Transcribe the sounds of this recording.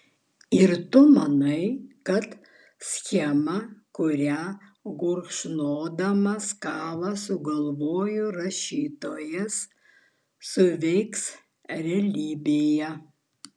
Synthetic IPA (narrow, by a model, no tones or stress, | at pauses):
ɪɾt̪ʊmɐnɐɪkɐt̪ | sʲxʲɛmɐkʊɾʲæɡʊɾkʃnoːd̪ɐmɐskɑːʋɐsʊɡɐlˠʋoːjʊɾɐʃʲiːt̪oːjɛsː | ʊʋʲɛɪks | ɾʲɛlʲiːbʲejɛ